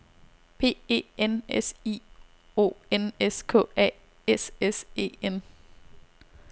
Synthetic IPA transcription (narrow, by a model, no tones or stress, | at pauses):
pʰe̝̰ːḛːenesiː | o̝̰ːeneskʰɔ̰̽ːɛ̰ | esese̝̰ːen